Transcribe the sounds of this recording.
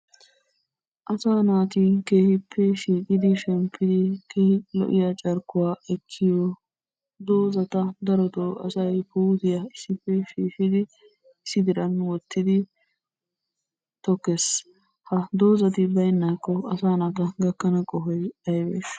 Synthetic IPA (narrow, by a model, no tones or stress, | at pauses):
ʔɐsaːnaːt̪ɪke̞ːhɪpʰːɛʃiːkʼɪd̪ɪʃɛmpʰːɪd̪ɪkʰeːhɪlɔ̰ʔɪjat͡ʃʼɐɾkːʊwaːɛkʰːɪjɔ | d̪oːzɐt̪ɐd̪ɐɾɔt̪ɔɐ̰sɐjpuːt̪ɪjɐɪsːɪpːɛʃiːʃɪd̪ɪ | ɪsːɪd̪ɪɾɐnwɔt̪ʰːɪd̪ɪ | t̪ɔkːes | hɐd̪oːzɐt̪ɪbɐjnːaːkːɔɐsaːnaːt̪ɐɡɐkːɐnɐkʼɔɦɔjɐjbḛʃ